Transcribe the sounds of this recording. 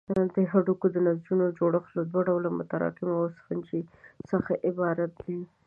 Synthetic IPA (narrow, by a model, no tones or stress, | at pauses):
d̪əɦaɖukod̪ənazd͡ʒunod͡ʒoɽəxlod̪waɖawlamʊ̰t̪aɾɑ̰qɪmawosfant͡ʃisəxaʔɪbɑɾat̪̚d̪i